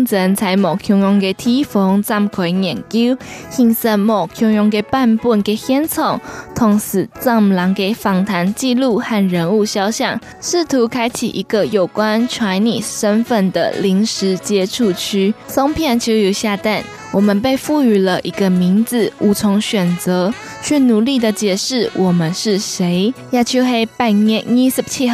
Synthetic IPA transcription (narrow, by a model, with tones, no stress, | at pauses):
ŋt͡sʰə˧˥nt͡sʰa˧˥ɪmo˨˩kʰjʊ˧˥ŋjʊ˧˥ŋke˨˩ɪt̪ʰi˥fɔ˧˥ŋt͡sɑ˥˩mkʰwe˧˥ɪnjɛ˨˩nki˥ʊxi˧˥ŋsə˥˧nmo˨˩kʰjʊ˧˥ŋjʊ˧˥ŋke˨˩ɪpa˥˧npwu˥˩nke˨˩ɪxjɛ˥nt͡sʰo˨˩ŋt̪ʰʊ˧˥ŋsɹ̩˨˩t͡sɑ˥˩mlɑ˧˥ŋke˨˩ɪfɑ˧˥ŋt̪ʰa˧˥nt͡ɕi˥˧lu˥˧xa˥˩nɻə˧˥nu˥˧ɕjɑ˥ʊɕjɑ˥˩ŋ | ʂɻ̩˥˩t̪ʰu˧˥kʰa˥ɪt͡ɕʰḭ˨˩ʔi˧˥ɡə˨jo˨˩ʊkwa˦nʈ͡ʂʰwa˧˥nnḭ˨˩ʂə˥nfə˥˩nd̪ə̰˨li˧˥ŋʂɻ̩˧˥t͡ɕjɛ˥ʈ͡ʂʰu˥˧t͡ɕʰy˥so˥ŋpʰjɛ˥˩nt͡ɕʰo˥˧˥ʊjo˨˧˩ɕja˥˧t̪a˥˩n | wɔ˨˩mə˨npe˥˧ɪfu˥˩y˨˩lə˧ʔi˧˥ɡə˧mi˧˥nd͡z̩˨u˧˥t͡sʰʊ˧˥ŋɕɥɛ˨˩nt͡sə˧˥ | t͡ɕʰɥɛ˥˩nu˨˦li˥˩d̪ə˨˩t͡ɕjɛ˨˩ʂɻ̩˥˩wʔɔ˨˩mə˨˦nʂɻ̩˥˩ʂe˧˥ɪja˥˩t͡ɕʰjo˥xe˥ɪpa˥˧ɪnɛ˥˧ŋi˥spt͡ɕʰi˥˧